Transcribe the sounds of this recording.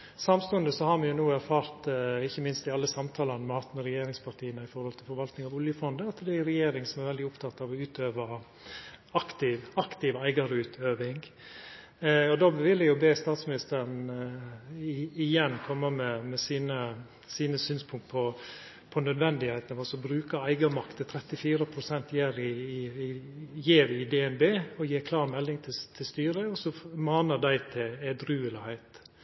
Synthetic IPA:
sɑmst̪ʊənd̪əsɔhɑɾmɛjʊnuːæɾfɑːɾt̪ɪçːəmɪnst̪ɪɑlːəsɑmt̪ʰɑːlɑnəmɛhɑt̪ːmɛɾɛjeːɾɪŋspʰɑɾʈ̪ʰiːənəɪfɔɾhɔlt̪ʰɪlfɔɾʋɑlt̪nɪŋɑʋʊljəfɔnd̪əɑt̪ːd̪ɛæɾɛjeːɾɪŋsɔmæɾʋɛlɪʊpt̪ʰɑt̪ːɑʋɔʉːt̪øːʋɑ | ɑkt̪ɪʋɑkt̪ɪʋæɪɡɑɾəʉːt̪ʰøːʋɪŋ | ɔd̪oːʋɪlːəjʊbeːst̪ɑːt̪smɪnɪst̪əɾn̩ | ɪɪjɛnːkʰɔmːəmɛmɛsiːnə | siːnəsyːnspʰʊŋk̚t̪̚pʰɔ | pʰɔnœd̪ʋɛnd̪ɪhɛɪt̪nʋɑsɔbɾʉːkɑæɪɡɑmɑkt̪ət̪ʰɾɛt̪ːɪfiːɾəpʰɾʊsɛnt̪jeːɾɪɪ | jeːʋɪd̪ɛɛnbeːɔjeːɾkʰlɑːɾmɛlːɪŋt̪ʰɪt̪ʰɪlst̪yːɾəɔsɔmɑːnəd̪æɪt̪ʰɪɛd̪ɾʉːəlɪhæɪt̪

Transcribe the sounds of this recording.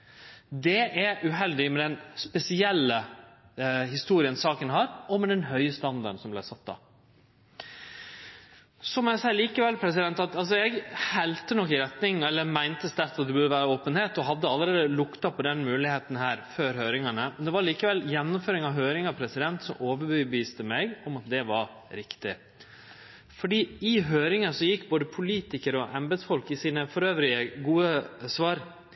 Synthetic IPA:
d̪ɛʔæʔʉɦɛld̪ɪmɛd̪ɛnspɛsɪɛlːə | hɪst̪uːɾɪənsɑːkənɦɑːɾɔmɛd̪ɛnɦœʏəst̪ɑnd̪ɑɾɖəɳ̩sɔmblæɪsɑt̪̚ːd̪ɑ̰ː | sɔmɔæɪsæɪəliːkəʋɛlpʰɾɛsɪd̪ɛnt̪ɑt̪ɑls̬ɔɛɡhɛlt̪ənɔkːɪɾɛt̪nɪŋɛlːəmæɪnt̪əst̪æɾt̪ɑt̪̚d̪ɛbʉd̪əʋæːɾəoːpənheːt̪ɔɦɑd̪ːəɑlːəɾeːd̪əlʊkt̪ɑpʰɔd̪ɛnmʉːlɪheːt̪n̩hæːɾføːɾɦøːɾɪŋɑɳəmɛnd̪ɛʋɑɾɭiːkəʋɛljɛnːʊmføːɾɪŋɑʋɦøːɾɪŋɑpʰɾɛsɪd̪ɛnt̪sɔmʔoːʋəɾbʋbəʋiːst̪əmɛɡɔmɑt̪̚d̪ɛʋɑɾ | ɾɪkt̪ɪ | fɔɖiːɪɦøːɾɪŋəsɔjɪkːboːd̪əpʰʊliːt̪ɪkəɾɔʔɛmbɛd̪sfɔlkɪsiːnəfɔɾøːʋɾɪəɡuːəsʋɑːɾ

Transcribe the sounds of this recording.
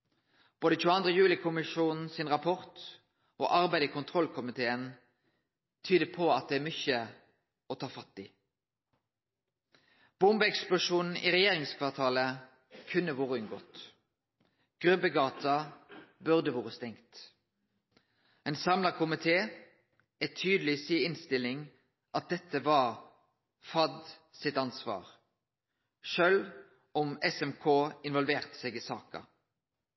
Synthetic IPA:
b̥oːd̪əc͡çʉːəɑnd̪ʁəjʉːlɪkʰʊmɪʂuːnn̩sɪnʁɑpʰɔʁt̪ | o̰ːʔɑʁbæɪd̪əkʰʊnt̪ʰʁɔlkʰʊmɪt̪ʰeːən | t̪ʰyːd̪əpʰɔɑt̪̚d̪ɛæːmʏçə | ɔt̪ʰɑːfɑt̪ːiː | b̥ʊmbəɛksplʊʂuːnn̩ḭːʁɛjeːʁɪŋskʰʋɑʁt̪ʰɑːlə | kʰʉnːəʋoːʁəʉnɡo̰ːt̪ | ɡ̥ʁʉbəɡɑːt̪ɑbʉʁd̪əʋoːʁəst̪ɛŋt̪ | ɛɪnsɑmlɑkʰʊmɪt̪ʰeː | ɛt̪ʰyːd̪lɪsiːɪnst̪ɪlɪŋ | ʔɑt̪̚d̪ɛt̪ːəʋɑʁ | fɑd̪sɪt̪ɑnsʋɑ̰ːʁ | ʃøːl | ɔmɛsɛmkʰoːɪnʋɔlʋeːʁt̪ə̥sɛːɡɪsɑːkɑ̰

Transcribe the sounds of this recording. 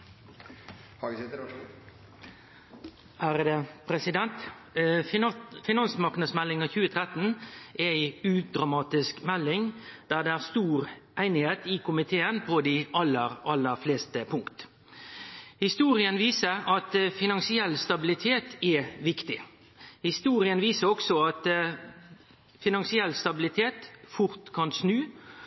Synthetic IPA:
hæɾəd̪əpʰɾɛsɪd̪ɛnt̪ | fɪnɑnsmɑʁknɑd̪smɛlːɪŋɑçʉːət̪ʰɾɛt̪ən̩ʔɛæɪʉːd̪ɾɑmɑːt̪ɪskmɛlːɪŋd̪̥æːd̪ɛæʁst̪uːɾæɪnɪheːt̪ɪkʰʊmɪt̪ʰeːənpʰɔd̪iːʔɑlːəɾʔɑlːəfleːst̪əpʰʊŋkt̪ | hɪst̪uːɾɪənʋiːsəɾɑt̪fɪnɑnsɪɛlst̪ɑbɪlɪt̪ʰeːt̪ɛʋɪkt̪ɪ | hɪst̪uːɾɪənʋiːsəɾɔksɔɑt̪ | fɪnɑnsɪɛlst̪ɑbɪlɪt̪ʰeːt̪fʊɾt̪kʰɑnsnʉː

